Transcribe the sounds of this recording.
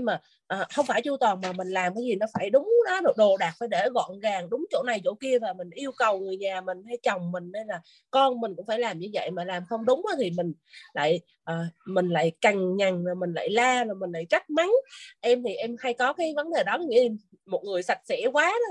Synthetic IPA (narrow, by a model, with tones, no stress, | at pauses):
ɲɨ˧maː˨˩ | ʔəː˨˩xə˧wŋ͡mfaː˧˩jt͡ɕu˧t̪wɔː˨˩nmaː˨˩mï˨˩ŋ̟laː˨˩mkaː˨˦jzi˨˩nɔ˨˦faː˧˩jɗʊ˨˦ŋ͡mɗɔ˨˦ɗo˨˩ɗo˨˩ɗaː˨˩k̚faː˧˩jɗe˧˩ɣɔ̰˧˨nɣaː˨˩ŋɗʊ˨˦ŋ͡mt͡ɕo̰˧˥na˨˩jt͡ɕo̰˧˥ki˧əvaː˨˩mï˨˩ŋ̟ʔi˧əwkə˨˩wŋɨ˨˩əjɲaː˨˩mï˨˩ŋ̟ha˧jt͡ɕə˨˩wŋ͡mmï˨˩ŋ̟ne˧nlaː˨˩ | kɔ˧nmi˨˩ŋ̟kʊ̰˧˥ŋ͡mfaː˧˩jlaː˨˩mɲɨ˧və̰˧˨jmaː˨˩laː˨˩mxə˧wŋ͡mɗʊ˨˦ŋ͡mʔaː˨˦t̪ʰi˨˩mï˨˩ŋ̟ | la̰ː˧˨j | ʔəː˨˩mï˨˩ŋ̟la̰ː˧˨jka˨˩ŋŋa˨˩ŋla˨˩mï˨˩ŋ̟la̰ː˧˨jlaː˧lɔː˨˩mï˨˩la̰ː˧˨jt͡ɕa˦˥k̚ma˨˦nʔɛ˧mt̪ʰi˨˩ʔɛ˧mha˧jkɔ˨˦kaː˨˦jvə˨˦nɗe˨˩ɗɔ˨˦˧ | mo˨˩t̚ŋɨ˨˩əjsa˨˩t̚sɛ̰˧˥kwaː˨˦ɗɔ˨˦